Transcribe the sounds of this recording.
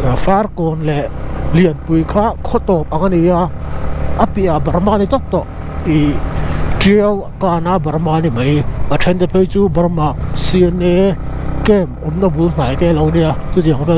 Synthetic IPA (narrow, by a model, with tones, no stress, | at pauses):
fa˦rkɔ˨nlɛ˨li˨˩ənpu˨jkʰa˦kʰɔ˦t̪ɔ˨˩p̚a˨ŋani˧ja˧ | a˦pi˨ʔa˨bɐ˨ɾma˧ni˧t̪ɔ˦k̚t̪ɔ˨ʔ | i˨ | ʈi˧w | ka˧na˧bɐ˨ɾma˧ni˨mə˨ja˨tʰɛ˧˦nt̪e˧pʰe˧jt͡su˦bɐ˧rma˧˨si˧ne˧ | kemɔ˨˧mna˧bu˨˦ln̥a˨jkɛ˧lɔ˧wni˧ja˧t̪u˦d̪i˨ə˨ŋpʰɛ˦